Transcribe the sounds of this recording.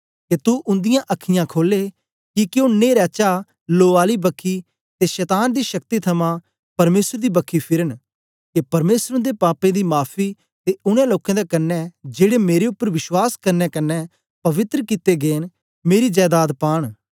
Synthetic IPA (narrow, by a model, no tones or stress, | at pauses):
ket̪ʊʔʊ̃nd̪ɪjãʔɐkʰɪjãːkʰoːle | kikɪjoːneːɾɛːt͡ʃa | loːaːlibɐkʰːiː | t̪eʃɛːt̪aːnd̪iːʃɐk̚t̪it̪ʰɐmã | pɐɾmeːsəɾd̪iːbɐkʰːipʰɪɾən | kepɐɾmeːsɾʊ̃d̪epaːpẽd̪iːmaːpʰi | t̪eʊɽ̃ẽːloːkẽːd̪ekɐnːɛd͡ʒeːɽemeːɾeʊpːəɾʋɪʃwaːskɐɾnɛːkɐnːɛ | pɐʋɪt̪ɾəkɪt̪ːeɡeːn | meːɾid͡ʒɛːd̪aːd̪paːɽ̃